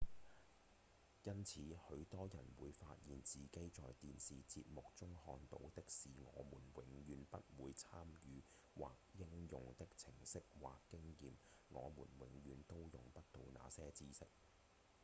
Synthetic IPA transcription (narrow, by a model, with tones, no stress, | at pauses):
jɐ˥nt͡sʰiː˨˥hɵ˨˧ɥt̪ɔː˥jɐ˨˩nwuː˨˧jfaː˧t̚jiː˨nt͡siː˨ke˨˥jt͡sɔː˨jt̪iː˨nsiː˨t͡si˧p̚mʊ˨k̚t͡sʊ˥ŋhɔː˧nt̪o̰˨˥wt̪ɪ˥k̚siː˨ŋɔ̰ː˨˧muː˨˩nwɪ˨˥ŋjyː˨˧npɐ˥t̚wuː˨˧jt͡sʰaː˥mjyː˨˧ | wa̰ː˨k̚jɪ˥ŋjʊ˨ŋt̪ɪ˥k̚t͡sʰɪ˨˩ŋsɪ˥k̚wa̰ː˨kːɪ˥ŋjiː˨m | ŋɔ̰ː˨˧mṵː˨˩nwɪ˨˥ŋjyː˨˧nt̪o˥wjʊ̰˨˩ŋpɐ˥t̚t̪o˨˧wna̰ː˨˧sɛː˥t͡siː˥sɪ˥k̚